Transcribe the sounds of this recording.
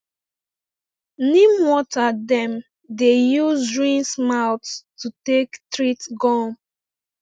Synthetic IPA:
nĩmwɔtadɛ̃m | dejuzɹĩnsmaʊtstutektɹitɡɔm

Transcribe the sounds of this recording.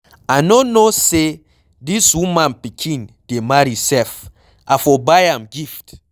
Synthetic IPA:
anonose | diswũmãnpikʰĩnd̥emaɹisɛf | ʔafɔbajãmɡift

